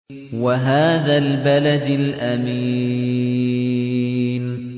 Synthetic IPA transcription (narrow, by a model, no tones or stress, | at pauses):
waɦaːðaːlbalad̪ɪlʔamiː | n